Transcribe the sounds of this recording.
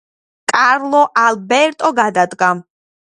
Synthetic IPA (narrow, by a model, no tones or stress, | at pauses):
kʼaɾlˠɔʔalbɛɾt̪ʼɔɡad̪ad̪ɡa